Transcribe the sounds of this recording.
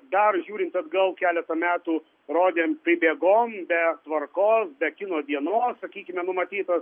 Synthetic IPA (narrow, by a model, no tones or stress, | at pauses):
d̪ɐrʒʲuːɾʲɪnʲt̪ɐd̪ɡɐlˠkʲæːlʲɛt̪ɐmʲæːt̪uː | ɾoːd̪ʲeːmpʲɾʲɪbʲeːɡoːmbʲɛt̪ʋɐrkoːsbʲɛkʲɪnoːd̪ʲiɛnoːssɐkʲiːkʲɪmʲɛnʊmɐt̪ʲiːt̪ɐs